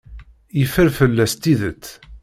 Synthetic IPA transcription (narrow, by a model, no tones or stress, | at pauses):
jəfəɾfəlːæst̪ːiðət͡s̪ː